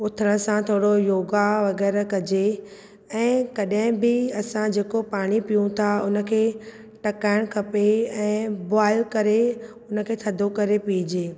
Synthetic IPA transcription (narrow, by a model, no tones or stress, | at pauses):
ʊt̪ʰɾəɽ̃əsãt̪ʰoːɽojoːɡaʋɐɡɛːɾkɐd͡ʑe | ɛ̃ːkɐɗɦɪ̃bɪɐsãd͡ʑeːkopaːɽ̃ipijũt̪ʰaʊnə̆kʰeː | ʈɐkaːɪɽ̃kʰɐpeɛ̃ːbaːɪlkɐɾe | ʊnə̆kʰeːt̪ʰɐd̪ʱokɐɾepid͡ʑeː